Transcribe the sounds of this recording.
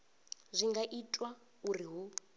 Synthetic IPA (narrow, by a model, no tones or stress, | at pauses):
zʷiŋɡaʔitʼwa | uriɦu